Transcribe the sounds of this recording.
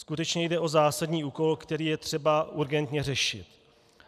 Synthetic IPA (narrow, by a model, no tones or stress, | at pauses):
skut̪ɛt͡ʃɲɛjdɛʔo̞zaːsadɲiːʔuːko̞lkt̪ɛɾiːjɛt̪r̝̥ɛbaʔuɾɡɛnt̪ɲɛrɛʃɪ̰t̪